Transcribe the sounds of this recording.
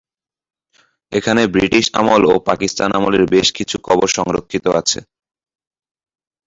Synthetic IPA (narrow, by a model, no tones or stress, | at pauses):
ekʰanebɾiʈiʃa̰molopakist̪anamoleɾbeʃkit͡ɕʰukʰɔboɾʃɔŋɾokʰːit̪oʔat͡ɕʰḛ